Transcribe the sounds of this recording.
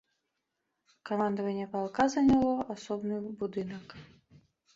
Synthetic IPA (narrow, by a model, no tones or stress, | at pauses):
kamand̪ɐvɐnʲːɛpalˠkazɐnʲalˠɔʔasɔbnɨbud̪ɨnɐk